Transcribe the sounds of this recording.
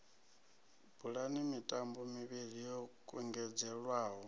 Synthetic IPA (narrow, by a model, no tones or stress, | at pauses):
buɺanimitʼambɔmiβiɺijɔkʼɔŋɡɛd͡zɛɺwaːɦɔ